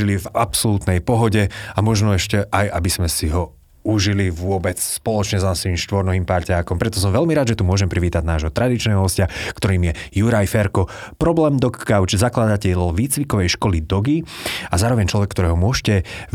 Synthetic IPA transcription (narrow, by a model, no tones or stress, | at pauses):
ilivapsɔluːt̪nɛjpɔɦɔɟɛamɔʒnɔɛʃcɛʔajabiz̥mɛsiɦɔ | uʒiliʋʊɔbɛt͡sspɔlɔt͡ʃɲɛzasʋiːmʃt̪ʋɔɾnɔɦiːmpaɾcaːkɔmpɾɛt̪ɔs̬ɔmʋɛlmiɾaːd̪ʒɛt̪umʊɔʒɛmpɾiʋiːt̪aɟnaːʒɦɔt̪ɾad̪it͡ʃnɛːɦɔɦɔscakt̪ɔɾiːmjɛjuɾajfɛɾkɔpɾɔblɛːmd̪ɔkːaʊt͡ʃzaklad̪acɛlʋiːt͡sʋikɔʋɛjʃkɔlid̪ɔɡiazaːɾɔʋɛɲt͡ʃlɔʋɛkːt̪ɔɾɛːɦɔmʊɔʃcɛ